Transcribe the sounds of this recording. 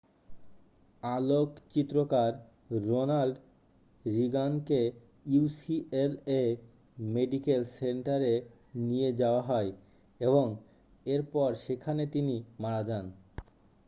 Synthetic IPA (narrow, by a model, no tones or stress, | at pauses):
alokt͡ɕit̪ːɾokaɾː | onalɖ | ɾiɡanke | usiele | meɖikelseɳʈaɾe | nijed͡ʑaoaɦɔe | eboŋ | eɾpɔɾʃekʰanet̪inimaɾad͡ʑan